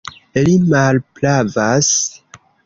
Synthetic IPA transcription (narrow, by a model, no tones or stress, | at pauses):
elimalplavas